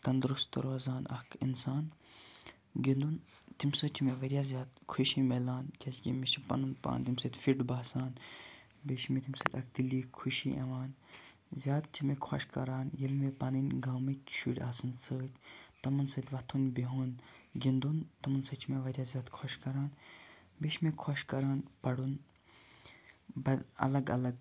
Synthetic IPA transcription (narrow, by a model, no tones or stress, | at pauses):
t̪ɐnd̪ɾust̪d̪ɐ̰ɾʋaːzaːnʔɐ̰kḭnsaːn | ɡind̪unt̪imsəːt͡ʃʰimeʋɐɾjaːzʲjaːd̪kʰuʃimelaːnkɐsɡʲimisipɐ̰nɨnpa̰ːnt̪imsəːt̪ʲfiɖbaːsaːn | beːʃimet̪ʰimsə̰ːt̪ʲɐk̚d̪iliːkʰuʃiʔḛʋaːn | zʲjaːt̪̚t͡ʃimekʰo̰ʃkɐ̰ɾaːnjilmepɐnɨnʲɡaːmikʲʃṵːɽʲaːsɨnsəːt̪ʲt̪ɐmɐnsɨːt̪ʲʋɐt̪ʰunʲbeɦuːnɡind̪unt̪ɐmɐnsɨt͡ʃʰimeʋɐd̪ʲjaːzʲaːt̪kʰoʃkɐɾaːn | beʃmekʰoʃkɐɾaːnpɐɽun | bɐɐ̰lɐɡɐ̰lɐɡ̚